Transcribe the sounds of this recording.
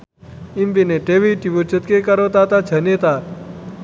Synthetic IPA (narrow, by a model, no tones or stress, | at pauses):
imbineʈeʋiʈiʋut͡ʃət̪kekɐɾot̪at̪at͡ʃʰɐnet̪a